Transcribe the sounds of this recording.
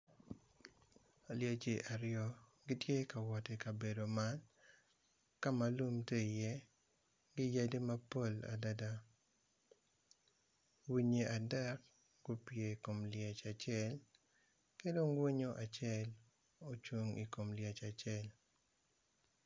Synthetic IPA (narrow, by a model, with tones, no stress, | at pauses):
a˨lja˨t͡ʃe˨ʔa˨ɾɪjɔ˦ | ɡɪ˦tje˦ka˨wɔ˨te˨ka˨be˨do˨ma˦n | ka˦ma˨lu˦mte˦i˨jɛ˦ | ɡɪ˦ja˦de˦ma˦po˦la̰˨da˦da˦ | wi˦ɲe˨ʔa˨dɛ˦k̚ | ɡ̥o˦pje˨i˨ko˨mlja˨t͡ʃa˨t͡ʃjɛ˦l | ke˦do˦ŋwe˦ɲo˦ʔa˨t͡ʃɛ˦l | o˦t͡ʃwu˦ŋḭ˨ko˨mlja˨t͡ʃa˨t͡ʃɛ˦l